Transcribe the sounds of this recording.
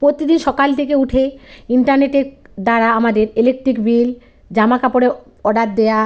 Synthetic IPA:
pɾot̪id̪inʃɔkalt̪ʰekeuʈʰeiɳʈaɾneʈeɾ | d̪aɾaamad̪eɾelek̚ʈɾikbil | d͡ʑamakapɔɽe | ɔɖaʈ̪̚d̪eja

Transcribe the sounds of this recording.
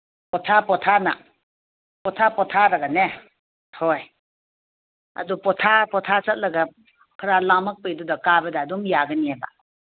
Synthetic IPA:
pɔtʰapɔtʰana̰ | pɔtʰapɔtʰaɾaɡane | hɔj | a̰dupɔtʰapɔtʰasat̚lɐɡa | kʰɾalamak̚pejdudɔkabɐdaːdɔmjaɡaniaba̰

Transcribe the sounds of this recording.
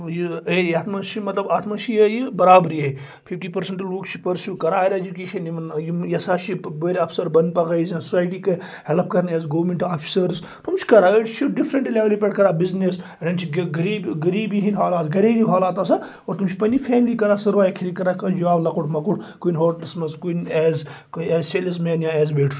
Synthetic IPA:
jiejaːt̪ʰmɐt͡ʃʰimɐt̪lɐbaːt̪ʰmat͡ʃʰijɐjibɐɾaːbɾiːɐi | pʰifʈiːpɐɾsẽɳʈɐlukt͡ʃʰi̥pɐɾsjuːkɐɾaːiɾed͡ʒukeːʃɐnimɐnjijɐsaːʃiʋeɾɐfsɐɾbɐnd̪̚pɐkɐizɐ̃susaːjʈiːkɐ | hɛlp̚kɐɾnɐzɡoːʋɾmẽɳʈaːfʰi̥sɐɾz | t̪umt͡ʃʰi̥kɐɾaeʈt͡ʃʰiɖifɾɐɳʈileʋlipeʈkɐɾabiznesɐɖɐnt͡ʃʰiɡɡɐɾiːbɡɐɾiːbiɦinɦaːlaːt̪ɡɐɽiːiɦaːlaːt̪ɐsa | oːɾt̪umt͡ʃʰi̥pɐnifʰɛːmlikɐɾasɐɾʋaːjekʰiɾikɐɾakɐd͡ʒɐʋaːblɐkuʈmɐkuʈkuinɦoːʈɐlsmɐzkunɛːz | kɛːzseːlɐs̬meːnjãɛːzbeːʈʰ

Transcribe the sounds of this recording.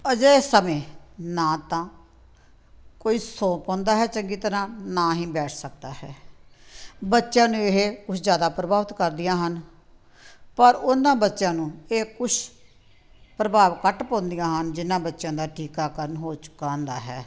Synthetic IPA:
əd͡ʒəsəmẽːnãːt̪ãː | koːiːsõːpɔ̃ːnd̪aːɦɛːt͡ʃəŋɡiːt̪əɾãːnãːɦĩːbɛːʈʰsək̚d̪aːhɛː | bətːʃjãːnũːeɦekʊt͡ʃʰd͡ʒjaːd̪aːpɾəbaːʋət̪kəɾd̪ɪjãːɦən | pəɾʊnːãːbətːʃjãːnũːeːkʊt͡ʃ | pɾəbaːʋkəʈpɔ̃ːnd̪ɪjãːɦənd͡ʒɪnːãːbətːʃjãːd̪aːʈʰiːkaːkəɾənɦoːt͡ʃʊ̥kãːnd̪aːɦɛː

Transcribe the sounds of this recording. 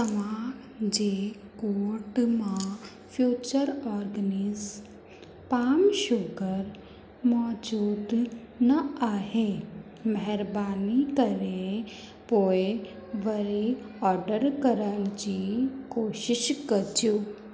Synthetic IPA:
t̪ɐʋã | d͡ʒeː | koːɾʈmã | fʰjuːt͡ʃəɾɔːɾɡəniz | paːmʃʊɡəɾ | mɔːd͡ʒuːd̪ | nɐaːɦe | mɛɦɛɾbaːnikɐɾe | poːe | ʋɐɾi | ɔːɾɖəɾkɐɾəñd͡ʒikoːʃɪʃkɐɾd͡ʒuː

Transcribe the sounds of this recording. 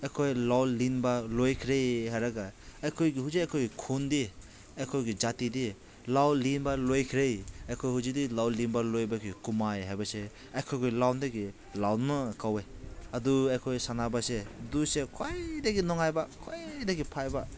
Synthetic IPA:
ajkʰojlawlinbalojkʰɾejhaɾaɡaːjkʰojɡiɦuziajkʰojɡikʰundi | ajkʰojɡid͡ʒatidi | lawlinbalojkʰɾejajkʰojhuzidilawlinbalojbakʰojɡkumajɦajbase | ajkʰojkʰojlawndaɡi | lawnmakaweaduajkʰojsanabasedusekʰojdaɡinɔŋajbakʰojdaɡipʰajba

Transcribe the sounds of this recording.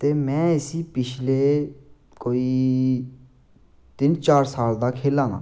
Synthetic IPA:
t̪eːmɛ̃ːɪsiːpɪt͡ʃʰleː | koːiː | t̪ɪnt͡ʃaːɾsaːld̪aːkʰeːlãːna̰ː

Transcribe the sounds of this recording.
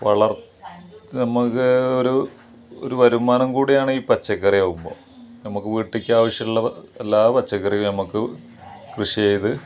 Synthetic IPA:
ʋɐ̰ɭɐr | nɐmukːɨoɾu | o̰ɾuʋɐɾumːaːnɐmkuːɽijaːɳɨiːpɐt͡ɕːɐkːɐrijoːɣumbo̞̰ː | nɐmukːɨʋiːʈːikʲːaːʋɐʂjɐmuɭːɐlːaːpɐt͡ɕːɐkːɐrijunɐmukːɨ | krɨʂijejiðɨ

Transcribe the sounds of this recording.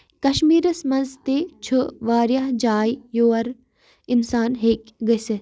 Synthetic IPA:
kɐʃmiːɾɐsmɐnzt̪et͡ʃʰuʋaːɾjaɦd͡ʒaːjjoːɐɾ | insaːnɦeːkɡəsɨ

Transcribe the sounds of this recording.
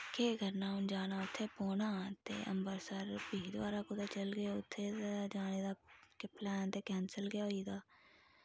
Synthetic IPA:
keːɡʱəɾnaːʊnd͡ʒaːnaːʊt̪ʰːeːpoːnaːt̪ḛʔə̰̃mbəɾsəɾbiːɦd̪ʋaːɾaːkʊd̪aːt͡ʃəlɡeʊt̪ʰːed͡ʒaːned̪aːkeplɛːnt̪ekɛ̃ːnsəlɡɪjaoiːd̪aː

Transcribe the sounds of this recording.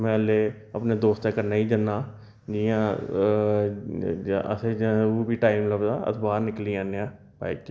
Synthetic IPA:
mɛ̃ːleː | əpneːd̪oːst̪ekəɾnaːĩːd͡ʒənːaː | d͡ʒiãː | ə̰seoːbiːʈaːimləbd̪aːə̰t̪ʰbaːɾnɪkliːãːneãː | ba̰ːit͡ʃ

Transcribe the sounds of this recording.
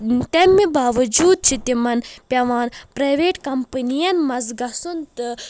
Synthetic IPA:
t̪ɐmːibaːʋɐd͡ʒuːd̪̚t͡ʃʰit̪imɐnpʲɐʋaːnpɾɐjʋeːʈkɐmpɨnijɐnmɐzɡɐsunt̪ɨ

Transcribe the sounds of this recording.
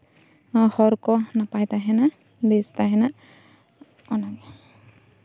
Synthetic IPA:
ahɔɾkɔnapajt̪aɦɛna | best̪aɦɛna | ɔnaɡɛ

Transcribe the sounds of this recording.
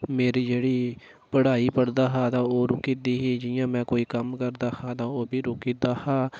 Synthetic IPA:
meːɾiːd͡ʒeːɽiː | pəɽaːiːpəɽd̪aːɦaːt̪ãːoːɾʊkiːd̪iːɦiːd͡ʒɪjãːmɛ̃ːkoːiːkəmkəɾd̪aːhaːt̪ãːoːbiːɾʊkiːd̪aːhaː

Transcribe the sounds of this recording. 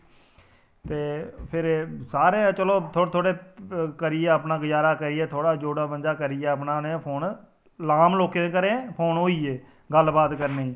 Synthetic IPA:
t̪eːpʰɪɾsaːɾeːt͡ʃəloːt̪ʰoːt̪ʰoːɽeːkəɾiːeːəpnãːɡəd͡ʒaːɾaːkəɾɪɛːt̪ʰoːɽaːd͡ʒoːɽaːbənd͡ʒaːkəɾɪjɛːəpnaːnẽpʰoːn | laːmloːkẽːkəɾẽːpʰoːnɦoːiːeː | ɡəlbaːt̪kəɾneːiː

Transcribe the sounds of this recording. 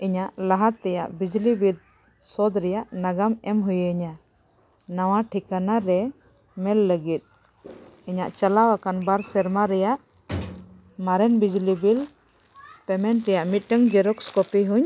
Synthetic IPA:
iɲaʔlaɦaɾt̪ɛjaʔbid͡ʒlibid̪̚ | sɔd̪ɾɛjaʔnaɡamɛmɦujɲa | nawaʈʰikanaɾɛ | mɛlːəɡit̪̚ˀ | iɲaʔt͡ʃalawakanbaɾsɛɾmaɾɛjaʔ | maɾɛnbid͡ʒlibil | pɛmɛɳʈɾɛjaʔmit̪̚ˀʈəŋd͡ʒɛɾɔkskɔpiɦuɲ

